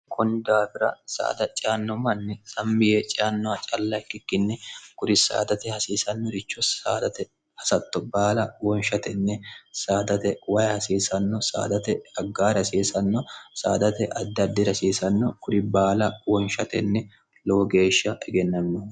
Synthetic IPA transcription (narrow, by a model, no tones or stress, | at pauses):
kʰʊnd̪aːfɪɾɐ̰sa̰ːd̪ɐt͡ʃʼɪanːɔmɐnːɛsɐmːɪjɛt͡ʃʼɪanːɔɐt͡ʃʼɐlːɐɪkːɪkːɪnːɛɡ̥ʊɾɪsa̰ːd̪ɐt̪ɛhɐsiːsɐnːɔɾɪt͡ʃːɔa̰ːd̪ɐt̪ɛ | hɐsɐt̪ːɔbaːlɐwɔnʃɐt̪ɛnːɛsaːd̪ɐt̪ɛwɐjhɐsiːsɐnːɔsa̰ːd̪ɐt̪ɛɐɡːaːɾɐsiːsɐnːɔsa̰ːd̪ɐt̪ɛʔɐd̪ːɐd̪ːɪɾɐsiːsɐnːɔɡ̥ʊɾɪbaːlɐwɔnʃɐt̪ɛnːɛ | loːɡe̞ːʃːɐʔɛɡɛnːɐnːɔ